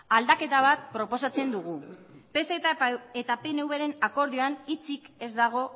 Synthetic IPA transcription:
ald̪ake̞t̪aβ̞at̪pɾo̞po̞sat͡se̞nd̪uɣupeseet̪apenewβeɾe̞nako̞ɾðioanit͡sike̞zd̪aɣ̞o̞

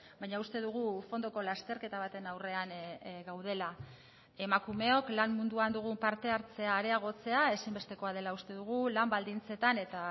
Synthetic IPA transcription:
bajɲaust̪e̞ðuɣ̞ufo̞nd̪o̞ko̞last̪e̞ɾke̞t̪aβ̞at̪e̞nawre̞anɡawð̞e̞la | e̞makume̞o̞klammund̪uand̪uɣ̞umpaɾt̪e̞aɾt͡se̞aːɾe̞aɣ̞o̞t͡se̞ae̞simbe̞st̪e̞ko̞að̞e̞laust̪e̞ðuɣ̞ulambald̪int͡se̞t̪ane̞t̪a

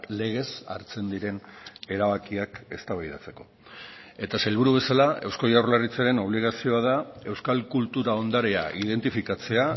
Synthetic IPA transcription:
le̞ɣ̞e̞sa̰ɾt͡se̞nd̪iɾe̞ne̞ɾaβakiake̞st̪aβajðat͡se̞ko̞ | e̞t̪asajlβ̞uɾuβe̞salae̞wsko̞ʝawɾlarit͡saɾe̞no̞β̞liɣ̞asio̞að̞ae̞wskalkult̪uɾao̞nd̪aɾea̰ʔið̞e̞nt̪ifikat͡se̞a

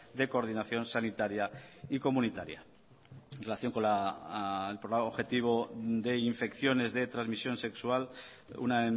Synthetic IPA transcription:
d̪e̞koɾðinaθjo̞nsanit̪aɾjaiko̞mũnit̪aɾja̰ | enrelaθjo̞ŋko̞la | elpɾoaoβxe̞t̪iβ̞o̞d̪e̞iɱfe̞kθjo̞ne̞zðe̞t̪ɾazmisjo̞nse̞ksual | ṵna

